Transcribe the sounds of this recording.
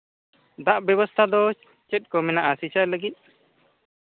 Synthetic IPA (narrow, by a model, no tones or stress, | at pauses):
d̪aʔbjɛβɔst̪ʰad̪ɔ | t͡ʃɛt̪̚kɔmɛnaʔasit͡ʃaʔləɡit̪̚